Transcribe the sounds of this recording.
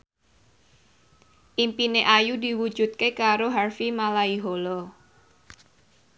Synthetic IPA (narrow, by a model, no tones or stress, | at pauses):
ʔimpineʔajudi̤wud̥d͡ʒ̥ut̪̚kekaɾoɦarfimalaiɦolɔ